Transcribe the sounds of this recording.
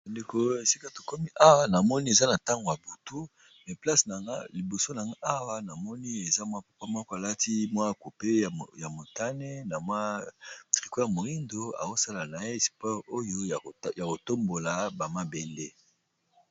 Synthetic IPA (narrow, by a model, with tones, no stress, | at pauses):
ba˨nde˨ko˦e˨si˦ka˦to˨ko˦mi˦ʔa˦wa˦na˨mɔ˦ni˦e˨za˦na˨ta˦ŋɡo˨ja˨bu˨tu˦ | mɛ˨pla˦sna˨ŋɡa̰˦li˨bo˨so˦na˨ŋɡa˦ʔa˦wa˦na˨mɔ˦ni˦e˨za˦mwa˦pa˨pa˦mɔ˦ko˨a˨la˦ti˦mwa˦˨ko˨pe˦jja˨mo˨ta˦ne˦na˨mwa˦tʁi˨ko˦ja˨mo˨i˦ndo˦a̰˨ko˦sa˦la˨na˨e˦˨si̥˨pɔ˦ʁo˦jo˦˨ja˨ko˨to˦mbo˨la˨ba˨ma˦be˦nde˦